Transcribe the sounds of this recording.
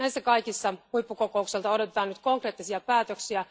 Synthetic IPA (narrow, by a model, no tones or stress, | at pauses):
næjsːækɑjkisːɑhuipːuko̞koukselt̪ɑo̞do̞t̪et̪ɑːnyt̪ko̞ŋkre̞ːt̪ːisiɑpæːt̪øksiæ